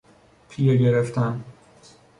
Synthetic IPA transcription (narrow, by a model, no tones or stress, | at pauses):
pʰijeɟeɾeft̪ʰæn